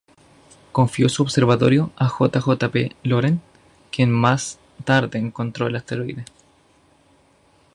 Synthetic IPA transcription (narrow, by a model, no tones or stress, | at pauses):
ko̞ɱfjo̞suoβseɾβat̪o̞̰ɾjoaxot̪axot̪apḛloɾeŋ | kjenmas | t̪aɾðeːŋkont̪ɾo̞elast̪eɾoḭðe